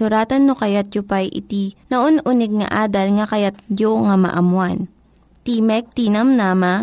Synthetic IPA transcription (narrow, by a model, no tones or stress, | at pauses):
ʊɾaːt̪ɐnːokɐjat̪̚jopajʔɪ̰t̪inɐʔonʔʊnɪɡ̚ŋɐ̰ʔaːd̪ɐlŋɐkɐjat̪̚d͡ʒoŋɐmɐ̰ʔɐmwan | t̪imɛk̚t̪iːnɐmnama